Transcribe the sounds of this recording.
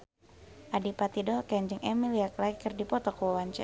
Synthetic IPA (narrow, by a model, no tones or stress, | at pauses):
ʔadipat̪idɔkɛɲd͡ʒɪŋɛmiliaklaɡikərdipɔt̪ɔkuwɔwaɲt͡ʃɛ̰